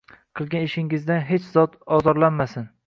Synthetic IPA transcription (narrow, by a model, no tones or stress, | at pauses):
qʰɨlˠɡʲanɪʃɪŋɪzd̪anɦet͡ʃz̥ɒt̪ɒzɒɾlanmasɪn